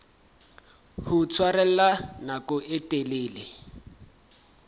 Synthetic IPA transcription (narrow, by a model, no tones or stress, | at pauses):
hʊt͡sʰwarɛl̩lanakɔʔɪtʼeleːlɪ